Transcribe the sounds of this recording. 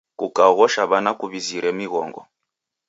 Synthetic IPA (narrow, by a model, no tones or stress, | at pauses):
kukaɣɔʃaβanakuβiziɾɛmiɣɔ̰ŋɡɔ̰